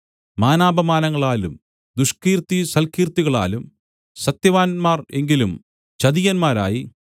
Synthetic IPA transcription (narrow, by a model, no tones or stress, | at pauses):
maːnaːbɐmaːnɐŋːɐɭaːlum | d̪uʂkiːrt̪ːisɐlkiːrt̪ːiɣɐɭa̰ːlum | sɐt̪jɐʋaːnmaːre̞ŋɡilum | t͡ɕɐðijɐnmaːɾa̰ːji